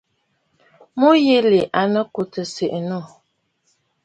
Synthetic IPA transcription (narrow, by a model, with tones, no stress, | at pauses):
mo˦je˦le˨ʔa˨nə˦ku˨tə˨se˨ʔno˦˨